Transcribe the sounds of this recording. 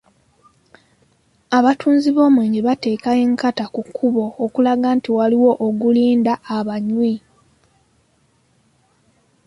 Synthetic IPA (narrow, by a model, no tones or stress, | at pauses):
aβatʰuːnziβo̞ːmweːɲiβate̞ːkaeːŋkatakukʰːuβo̞ːkulaɡaːntiwaliwo̞ʔoɡuliːndaːβaɲwi